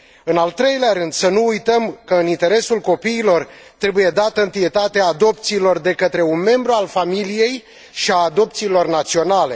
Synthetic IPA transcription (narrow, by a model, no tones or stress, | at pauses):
ɨnalt̪ɾe̞jleaɾɨnd̪̥sənuujt̪əmkəɨnint̪e̞ɾe̞sulko̞piːlo̞rt̪ɾe̞buje̞d̪at̪əɨnt̪ije̞t̪at̪eaːd̪o̞p̚t̪siːlo̞rd̪e̞kət̪ɾe̞unme̞mbɾualfamilije̞j | ʃiaːd̪o̞p̚t̪siːlo̞rnat̪sio̞nale̞